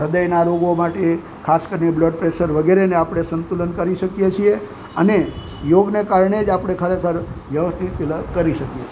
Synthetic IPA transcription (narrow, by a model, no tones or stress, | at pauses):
ɾəd̪əjnaɾoɡomaʈe | kʰaskəɾinebləɖ̚pɾeʃəɾʋəɡeɾeneapɽ̃esənt̪ulənkəɾiʃəkjet͡ʃʰie | əne | joɡnekaɾɳed͡ʒapɽ̃ekʰəɾekʰəɾʋjəʋəst̪ʰit̪lkəɾiʃəkjet͡ʃʰ